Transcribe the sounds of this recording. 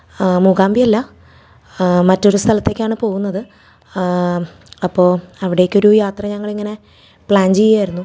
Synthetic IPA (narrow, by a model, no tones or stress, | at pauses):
muɡaːmbijɐlːɐ | mɐtːo̞ɾust̪ʰɐlɐt̪ːe̞kʲːaːɳɨpo̞ːɣunːɐðɨ | ɐpːo̞ːɐʋiɽe̞jokːo̞ɾujaːt̪rɐɲɐŋːɐɭiŋːɐne̞ | pɭaːɲd͡ʑejːaːjiɾunːu